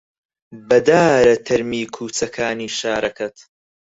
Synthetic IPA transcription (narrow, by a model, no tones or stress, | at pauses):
bɐd̪aːɾɐt̪ʰɐɾmiːkʰuːt͡sɐkʰaːniːʃaːɾɐkɐt̪